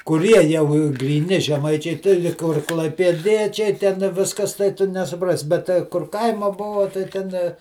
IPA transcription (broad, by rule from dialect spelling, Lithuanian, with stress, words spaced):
kʊˈrʲiɛ jɛʊ ɡrʲiːˈnʲɪ ʒʲɛˈmɐɪt͡ʃʲɛɪ tʲɪ lʲɪk ˈkʊr klˠɐɪpʲeːˈdʲiɛt͡ʃʲɛɪ ˈtʲɛn ˈʋʲɪskɐs tɐɪ ˈtʊ nʲɛsʊˈprɑːsʲɪ bʲɛt ˈtɐɪ kʊr ˈkɐɪmɐ ˈbʊʋoː tɐɪ ˈtʲɛn